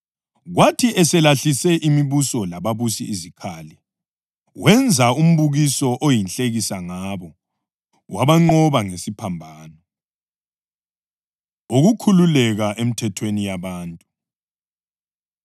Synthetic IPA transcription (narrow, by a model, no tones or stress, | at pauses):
ɣwatʰiɛsɛlaɬisɛʔimiβusɔlaβaβusiizikʰaːli | wʔɛnd͡zʱaum̩βuɣisɔʔojinɬʼeɣisaŋaβɔ | wʔaβaŋ͡ǃɔβaŋesipʰambʱaːnɔ | oɣukʰululɛɣaʔem̩tʰɛtʰwenijaβaːntʼu